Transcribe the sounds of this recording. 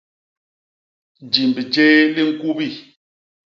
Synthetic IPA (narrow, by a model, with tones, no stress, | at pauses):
d͡ʒi˨m˨bi˨t͡ʃeː˦li˦˨ŋ̩˨ku˦bi˦˨